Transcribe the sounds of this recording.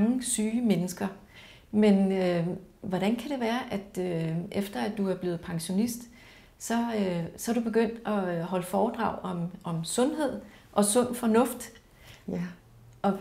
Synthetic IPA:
ŋəsyːmenəsɡ̥ɐ | menø | ʋɒɾ̥ænkʰæɾ̥e̝ʋæːɐʔæd̥øʔefd̥ɐæd̥uæɐb̥le̝ːð̞̩ˠpʰɑ̈ŋɕo̝nisd̥ | sɒ̽øsɒæɾub̥e̝ɡ̥øn̰d̥ɒ̽ɦɒ̽ləfɒːd̥ʁɑ̈ʊ̰ɒ̽mʔɒ̽msɔ̽nɦe̝ð̞̰ˠ | ʔɒ̽sɔ̽n̰fɒ̽nɔ̽fd̥ | ʔɒ̽

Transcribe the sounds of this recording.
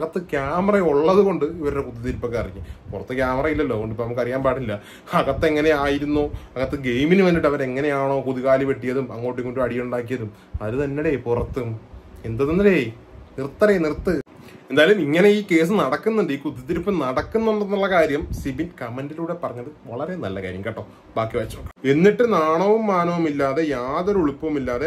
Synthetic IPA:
ɣɐt̪ːɨkjaːmɐrɐoɭːɐðuɣo̞ɳɖɨiʋɐɾɽekud̪ːit̪̬iɾupːokːeɐriɲːupurɐt̪ːɨkʲjaːmɐrɐjilːɐlːo̞ːɣoɳɖipːonɐmukːɐrijaːnpaːʈːilːɐ | ɐɣɐt̪ːeŋːɐne̞aːjiɾunːoːɐɣɐt̪ːɨɡe̞jminɨʋɐnːiʈːɐʋɐɾe̞ŋːɐne̞jaːɳo̞ːkuðiɣaːliʋeʈːijɐðumɐŋːo̞ːʈːikːoɳɖuɐɽijuɳɖaːkːijɐðum | ɐðɨt̪ɐnːeɽepurɐt̪ːɨend̪ɐðonːɐle | nirt̪ːɐɾenirt̪ːɨ | end̪aːjɐlumiŋːɐne̞iːke̞ːs̬ɨnɐɽɐkːunːɐɳɖɨiːkuðit̪ːiɾipːɐnɐɽɐkːunːɐnɖɐnːuɭːɐkaːɾjɐmsibinkɐmɐndiluːɽe̞pɐrɐɲːɐðɨʋɐɭɐɾe̞nɐ̰lːɐka̰ːɾjɐmkeʈːoː | baːkːiʋɐt͡ɕːokːɐe̞nːiʈːɨnaːɳɐʋumːaːnɐʋumilːaːðe̞jaːðoɾuɭupːɐʋumilːaːðe

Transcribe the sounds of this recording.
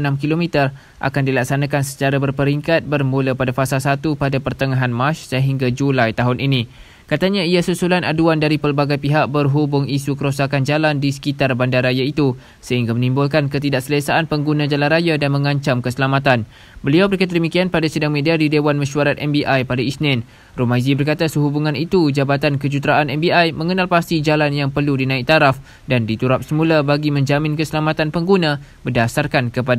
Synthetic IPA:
namkilomit̪ər | ʔa̰kandilak̚sanakansə̥t͡ʃaɾabərpəɾiŋkat̪̚bərmuləpadafasalsat̪upadapərt̪əŋaɦanmaʃsəɦiŋɡad͡ʒulajt̪aɦʊnʔinĩ | kat̪aɲãiasusulanaduandaɾipəlbaɡajpiɦaʔ̚bərɦubʊŋisukəɾosakand͡ʒalandisə̥kit̪arbandaɾajait̪u | səɦiŋɡamənĩmbʊlkankət̪̬idaʔsəlesaʔːnpəŋɡunãd͡ʒalanrajadanmə̃ŋãɲt͡ʃamkəsəlamat̪an | bəliawbəɾekat̪ədəmikianpadasədaŋmẽdiadidewanmə̃ʃuaɾat̪ɛmbiʔajpadaisnɪn | romãjzibərkat̪asəɦubuŋãnit̪ud͡ʒabat̪ankəd͡ʒut̪ɾaʔanɛmbiʔajmə̃ŋənalpast̪id͡ʒalanjaŋpərludinãik̚t̪aɾaf | dandit̪uɾap̚səmũlabaɡimə̃ɲd͡ʒamɪ̃nkəsəlamat̪anpəŋɡunãbərdasarkankəpada

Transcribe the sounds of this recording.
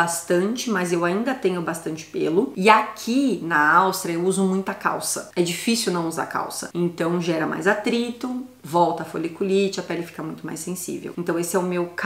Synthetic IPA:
ast̪ɐ̃nt͡ʃɪmɐzewaĩnd̪ɐt̪ẽɲʊbast̪ɐ̃nt͡ʃɪ̥pelʊɪakʰinɐawst̪ɾɐewuzʊmũj̃t̪ɐka̰wsɐɛd͡ʒifisiuwnɐ̃w̃uza̰ka̰wsɐẽnt̪ɐ̃w̃ʒɛɾɐma̰jzat̪ɾit̪ʊ | vɔwt̪ɐfoʎekulit͡ʃɪɐpɛlɪfi̥kɐmũj̃t̪ʊma̰jsẽsḭvḛwẽnt̪ɐ̃w̃esɪɛʊmewk

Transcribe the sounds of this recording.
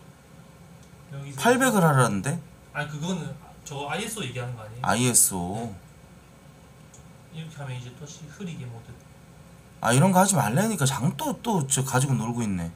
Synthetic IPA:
jʌɡipʰaɭbe̞ɡɯɭɦaɾanɯnde̞ | akɯɡʌnɯn | t͡ɕʌaies͈ʰɯoje̞ɡeɦanɯnɡʌaɲea̰ies͈o | iɾʌkʰe̞ɦamjʌnid͡ʑetoɕ͈ihɯɾiɡemotet͈ | a̰iɾʌnɡʌhad͡ʑimaɭːeɲik͈at͡ɕaŋt͈ot͈ot͡ɕɯk͈ad͡ʑiɡonoɭɡoinːe̞

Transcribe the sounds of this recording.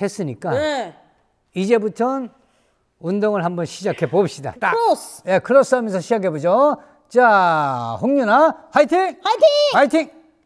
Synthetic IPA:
e̞s͈ɯɲik͈a | id͡ʑe̞butʰʌn | undoŋɯɭhambʌnɕʰid͡ʑakʰe̞bop̚ɕ͈ida̰taje̞kɯɾʌs͈amjʌnsʰʌɕʰid͡ʑak̬ʰe̞bod͡ʑo | t͡ɕa | ɸoŋɲunahaitʰiŋtʰaitʰiŋ

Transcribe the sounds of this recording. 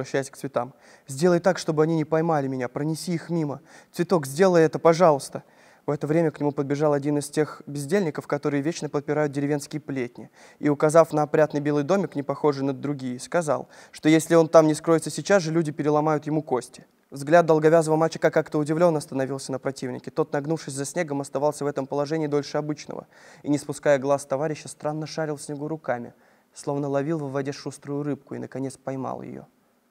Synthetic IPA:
ɾɐɕːæjɪsʲk̪̚svʲɪt̪am | zʲdʲelˠəjt̪akʂt̪o̞bɨɐnʲinʲɪpɐjmalʲɪmʲɪnʲapɾənʲɪsʲiixmʲimət̪vʲɪt̪o̞kzʲdʲe̞lˠəjɛt̪əpɐʐalˠəst̪ə | vɛt̪əvɾʲemʲəknʲɪmupəd̪̚bʲɪʐɑlˠɐdʲinɨstʲe̞xbʲɪzʲdʲelʲnʲɪkəfkɐt̪o̞ɾɨjəvʲet͡ɕnəpət̪̚pʲɪɾajʊt̪̚dʲɪɾʲɪvʲe̞nskʲɪjəplʲet̚ʲnʲɪ | iʊkɐzafnəɐpɾʲat̪nɨjbʲelˠɨjd̪o̞mʲɪknʲɪpɐxo̞ʐɨnəd̪ɾʊɡʲijəskɐza̰lˠ | ʂt̪o̞jesʲlʲɪo̞nt̪amnʲɪskɾo̞jɪt̪səsʲɪt͡ɕazʐɨlʲudʲɪpʲɪɾʲɪlˠɐmajʊt̪jɪmukosʲtʲɪ̥ | vzɡlʲad̪̚d̪əlˠɡɐvʲazəvəmat͡ɕːə̥kakːakt̪əʊdʲɪvlʲo̞nːəɐst̪ənɐvʲilˠsʲənəpɾɐtʲivnʲɪ̰kʲɪt̪o̞t̪nɐɡnufʂɨsʲzɐsʲnʲe̞ɡəmɐst̪ɐvɑlˠsʲəvɛt̪əmpəlˠɐʐɛnʲɪiːd̪o̞lʲʂɨɐbɨt͡ɕnə̰və̰inʲɪspʊskajəɡlˠast̪ɐvaɾʲɪɕːəst̪ɾanːəʂaɾʲɪlˠfsʲnʲɪɡuɾʊkamʲɪ̰ | slˠo̞vnəlˠɐvʲilˠvəvːɐdʲeʂust̪ɾʊjʊɾɨp̚kʊḭnəkɐnʲe̞t̪spɐjma̰lˠjɪ̰jo̰

